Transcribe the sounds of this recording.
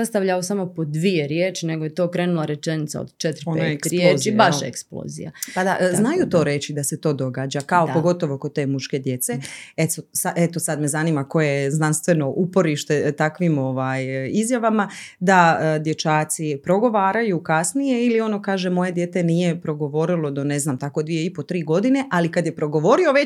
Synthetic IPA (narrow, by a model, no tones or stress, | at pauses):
sast̪aʋʎaosamo̞po̞d̪ʋijeɾjeːt͡ʃineɡojet̪okɾeːnulˠaɾet͡ʃenit̪sa̰o̰d̪t͡ʃet̪ɾoenaekɾjeːt͡ʃibaʃḛksplo̰ːzḭja̰pad̪aʔznajut̪o̞ɾe̞t͡ɕid̪aset̪o̞ːd̪o̞ɡaːd͡ʒakaoppoɡo̞t̪o̞ʋo̞ko̞t̪e̞ːmuʃke̞d̪je̞t̪seet̪sosaʔet̪o̞sad̪me̞zaniːmako̞jeznanst̪ʋe̞no̞ʔupo̞ɾiʃt̪e̞t̪akʋimo̞ʋaːjizjaʋamad̪ad̪je̞t͡ʃaːt̪sipɾo̞ɡo̞ʋaːɾajukasnije̞ilio̞no̞kaːʒe̞mo̞je̞d̪je̞ːt̪e̞nije̞pɾo̞ɡo̞ʋo̞ɾilo̞d̪o̞neznamt̪ako̞d̪ʋijeipo̞t̪ɾiːɡo̞d̪ine̞ʔalikad̪jepɾo̞ɡo̞ʋo̞ɾio̞ʋe